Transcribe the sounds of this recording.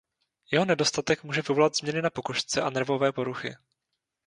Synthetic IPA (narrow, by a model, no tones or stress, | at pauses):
jɛɦo̞nɛdo̞st̪at̪ɛkmuːʒɛvɪvo̞lat̪zmɲɛnɪnapo̞koʃt͡sɛʔanɛɾvo̞vɛːpo̞ɾuxɪ̰